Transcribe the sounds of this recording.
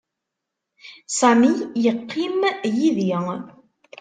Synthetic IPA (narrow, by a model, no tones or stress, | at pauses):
sæmijəqʰːimjiðiŋ